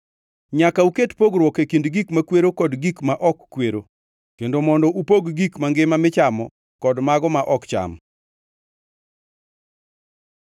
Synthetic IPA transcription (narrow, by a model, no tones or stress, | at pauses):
ɲakauketpoɡɾwɔkekindɡikmakweɾokɔdɡikmaʔɔkːweɾo | kendomɔndɔʔupoɡɡikmaŋɡɪmamɪt͡ʃamɔ | kɔdmaɡɔmaʔɔkt͡ʃa̰m